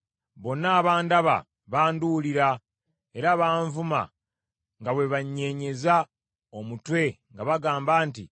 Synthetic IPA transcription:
βo̞nːaːβaːndaβa̰ | βaːnduliɾa | e̞ɾaβaːɱvuma̰ | ŋɡawe̞βaɲːe̞ɲe̞za | omutwe̞ŋɡaβaɡaːmbaːntḭ

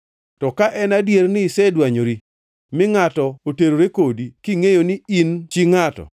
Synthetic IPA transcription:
tɔkaʔɛnadjernɪsɛdwaɲoɾi | mɪŋatɔoteɾoɾekodikiŋejonɪint͡ʃiŋatɔ̰

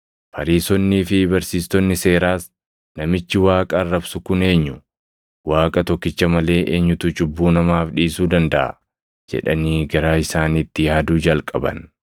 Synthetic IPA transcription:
fɐɾiːsɔnːiːfɪbɐɾsiːst̪ɔnːɪse̞ːɾaːs | nɐmɪt͡ʃːɪwaːkʼɐːrːɐbsʊkʊne̞ːɲːʊ | waːkʼɐt̪ɔkːɪt͡ʃːɐmɐle̞ːʔeːɲːʊt̪ʊt͡ʃʊbːuːnɐmaːfᶑiːsuːd̪ɐnd̪ɐʔɐ̰ | d͡ʒɛ̰ᶑɐniːɡɐɾaːɪsaːniːt̪ːɪjaːd̪uːd͡ʒɐlkʼɐbɐ̰n

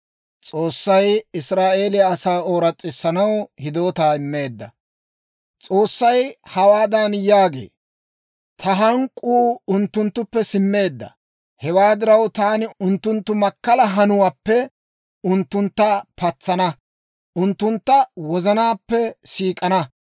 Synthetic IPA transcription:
t͡sʼo̞ːsːɐjɪsɾaːʔe̞ːlɪjaːsaːo̞ːɾɐt͡sʼːɪsːɐnɐwhɪd̪o̞ːt̪aːɪmːe̞ːd̪ːɐ | t͡sʼo̞ːsːɐjhɐwaːd̪ɐnjaːɡe̞̰ː | t̪ʰɐɦɐŋkʼːuːʊnt̪ːʊnt̪ːʊpːɛsɪmːe̞ːd̪ːɐ̰ | hɛwaːd̪ɪɾɐwt̪aːnɪʊnt̪ːʊnt̪ːʊmɐkːɐlɐɦɐnʊwaːpːɛ | ʊnt̪ːʊnt̪ːɐpɐt͡sːɐnɐ | ʔʊnt̪ːʊnt̪ːɐwɔzɐnaːpːɛsiːkʼɐnɐ

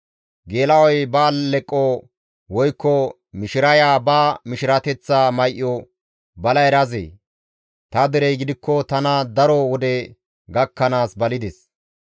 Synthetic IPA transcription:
ɡe̞ːlɐwɔjbaːlɛkʼːɔ | wɔjkːɔ | mɪʃɪɾɐjaːbaːmɪʃɪɾɐt̪ɛt͡sːaːmɐjʔːɔ | bɐlɐɛɾɐzḛː | t̪ɐd̪ɛɾɛjɡɪd̪ɪkːɔt̪ɐnɐd̪ɐɾɔwɔd̪ɛ | ɡɐkːɐnaːsbɐlɪd̪ɛs

